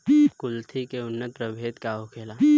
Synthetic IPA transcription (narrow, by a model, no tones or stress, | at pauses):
kʊlt̪ʰikeʊnːət̪̚pɾəbʱeːt̪kaɦokʰeːla